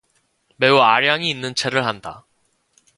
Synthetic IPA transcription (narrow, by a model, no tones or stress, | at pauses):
me̞uaɾjaŋiːnːɯnt͡ɕʰe̞ɾɯɭhanda̰